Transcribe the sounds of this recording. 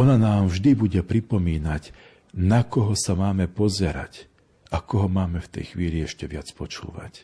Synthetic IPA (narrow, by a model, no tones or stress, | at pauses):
ɔnanaːmʒd̪ibuɟɛpɾipɔmiːnaɟ | nakɔɦɔsamaːmɛpɔzɛɾa̰c | akɔɦɔmaːmɛft̪ɛ̰jxʋiːliɛʃcɛʋɪat͡spɔt͡ʃṵːʋa̰c